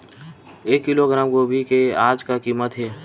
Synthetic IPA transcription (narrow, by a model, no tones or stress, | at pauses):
eːkːɪloɡɾaːmɡoːbʱikeaːd͡ʒkakiːmət̪ɦeː